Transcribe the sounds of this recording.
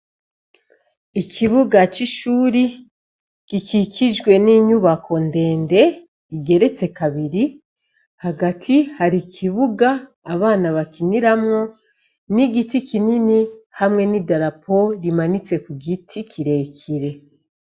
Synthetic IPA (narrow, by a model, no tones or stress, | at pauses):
ikʰiβuɡat͡ʃiʃuːɾi | kikikʰid͡ʒɡwe̞niɲuβakʰo̞nde̞ːnde̞ | iɡe̞ɾe̞t͡se̞kaβiɾi | haɡatʰihaɾikʰiβuɡaː | βaːnaβakiniɾamŋo | niɡitikininihamŋe̞nidaɾapʰo̞ɾimanit͡se̞kuɡitʰikʰiɾe̞ːcʰiɾe̞